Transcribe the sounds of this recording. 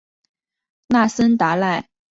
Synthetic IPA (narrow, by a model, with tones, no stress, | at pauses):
na˥˩sə˥nt̪a˧˥la˥˩ɪ